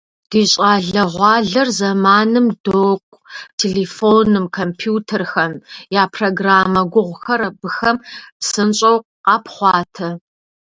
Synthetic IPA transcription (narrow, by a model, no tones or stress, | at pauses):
d̥iːɕʼaːɮɐʁʷɑːɮɐrzɐmaːnɨmdoːkʷʼtʰelefonɨmkʰompʰjuːtʰɐrxɐnjaːpʰroːɡraːmɐɡʷʊʁʷʊxɐɾɐbɨxɐmsɨnɕʼɐwqqɑːpʰχʷɑːtʰɐ